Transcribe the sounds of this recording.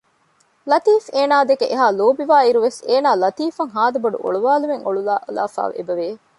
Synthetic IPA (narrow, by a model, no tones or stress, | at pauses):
lɐt̪iːfeːnaːd̪ekeʔeɦaːloːbiʋaːiɾuʋeseːnaːlɐt̪iːfɐŋɦaːd̪ɐbɐɖṵʔo̰ɭuʋaːlumeŋoɭulala̰ːfa̰ːʋḛbɐʋeː